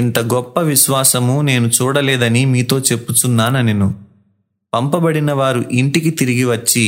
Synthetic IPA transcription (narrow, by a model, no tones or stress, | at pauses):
int̪ɐɡɔpːɐʋiʃʋaːsɐmune̞ːnut͡ʃuːɽɐlɛːd̪ɐnimiːt̪o̞ːt͡ʃe̞pːut͡ʃ̪unːaːnɐnenu | pɐmpɐbɐɽinɐʋaːɾuʔiɳʈikit̪iɾiɡiʋɐt͡ʃːi